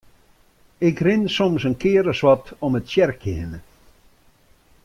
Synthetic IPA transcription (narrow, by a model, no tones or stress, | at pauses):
ɪkrɪnsɔmsənkʰɪəɾəswɔtɔmətsjɛrkʰɪənə